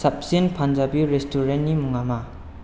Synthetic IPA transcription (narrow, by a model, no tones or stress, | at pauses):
sap̚senpʰand͡ʒabiɾestʰuɾentːimuŋama